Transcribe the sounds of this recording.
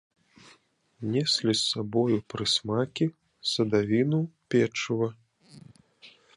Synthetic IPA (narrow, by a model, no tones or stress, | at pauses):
nʲɛsʲlʲisːabɔjupɾɨsmakʲi | sɐd̪avʲinupʲɛt͡ʂuvɐ